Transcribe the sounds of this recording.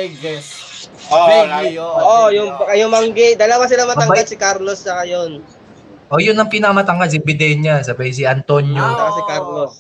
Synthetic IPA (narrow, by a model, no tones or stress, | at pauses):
ɡ | ooɡoʔojʊŋpɐkɐjomɐŋɡɪd̪ɐlɐwas̬ɪlamɐt̪ɐŋɡad̪sɪkaɾlost͡ʃɐkajon | ʔojʊnːɐŋpɪnɐkɐmɐt̪ɐŋɡals̬ibɪd̪ɛnɲasɐbɐjs̬iɐnt̪onjoɐkasikaɾlos